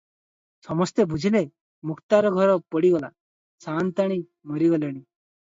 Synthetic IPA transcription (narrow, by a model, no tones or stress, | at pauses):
sɔmɔst̪ebʱud͡ʒʱile | mukt̪aɾɔɡʱɔɾɔpɔɽiɡɔla̰ | sant̪aɽ̃i | mɔɾiɡɔlɔɽ̃i